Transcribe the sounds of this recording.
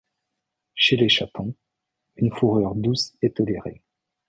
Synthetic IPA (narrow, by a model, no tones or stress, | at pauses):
ʃeleʃapʰɑ̃ | ynfuʁœʁd̪uset̪ɔleʁḛ